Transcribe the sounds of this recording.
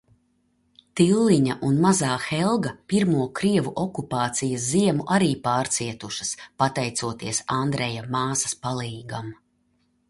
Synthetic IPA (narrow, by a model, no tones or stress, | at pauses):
t̪ilˠːiɲaʔunmazaːxɛlˠɡɐpiɾmuɔkɾiɛvuʔɔkupaːt̪sijɐsziɛmuʔaɾiːpaːɾt̪siɛt̪uʃɐ̥spat̪ɛjt̪suɔt̪iɛsand̪ɾɛjamaːsɐ̥spalˠiːɡam